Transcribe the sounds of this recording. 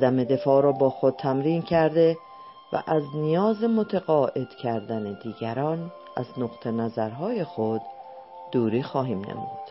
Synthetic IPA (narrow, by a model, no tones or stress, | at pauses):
d̪æme̞d̪e̞fɒːɾɒːbɒːxod̪̥̚t̪ʰæmɾiːncʰæɾd̪e̞ | væ̰ʔæznijɒːzemot̪ʰeɣɒːʔe̞d̪̥cʰæɾd̪æned̪iːɟæɾɒːn | ʔæ̰znoqt̪ʰenæzæɾɦɒːje̞xod̪̥ː | uːɾiːxɒːɦiːmnḛm̰ud̪̥